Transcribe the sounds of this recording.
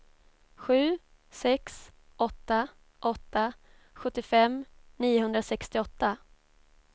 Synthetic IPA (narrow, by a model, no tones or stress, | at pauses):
ɧʉ̟ː | sɛksʔɔt̪ːa | ʔɔt̪ːa | ɧɵt̪ːɪfɛmniːʊɦɵnd̪ɾasɛkst̪ɪɔt̪ːa